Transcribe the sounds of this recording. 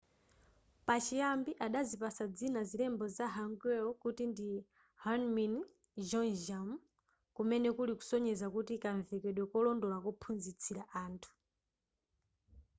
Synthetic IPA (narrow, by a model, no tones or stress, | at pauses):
pat͡ʃijambiʔaɗazipasad͡zinazilɛmbɔzaɦaŋɡɛɔkutindi | hanmin | d͡ʒɔnʒam | kumɛnɛkuliku̥sɔɲɛzakutikaɱvɛkɛɗwɛkɔlɔndɔlakɔpʰunzit͡sʰiɾaʔaːntʰu̥